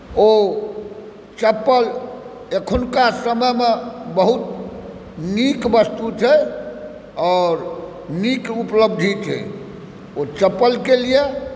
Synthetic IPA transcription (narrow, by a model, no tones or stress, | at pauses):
o | t͡ʃəpːəl | ekʰunkasəməmebəɦut̪̚ | nikʋəst̪ut͡ʃʰɛ | ɔːɾ | nikupləb̚d̪ʱit͡ʃʰɛ̰ | ot͡ʃəpːəlkelije